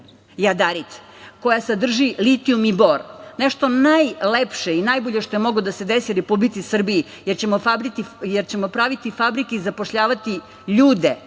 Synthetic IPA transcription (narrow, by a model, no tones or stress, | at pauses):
jad̪aɾit̪ | ko̞jasad̪r̩ʒilit̪iumiboɾneʃt̪o̞najlepʃeinajbo̞ʎeʃt̪o̞jemo̞ɡod̪ase̞d̪esiɾepublit̪sisr̩biji | jeɾt͡ɕemofabɾit̪ijeɾt͡ɕemo̞pɾaʋit̪ifabɾikeizapoʃʎaːʋat̪i | ʎuːd̪e